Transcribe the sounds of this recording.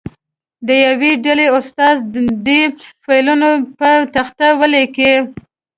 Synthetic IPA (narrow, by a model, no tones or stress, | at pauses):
d̪əjaweɖaleʊst̪ɑzd̪efajlunopət̪axt̪awəleke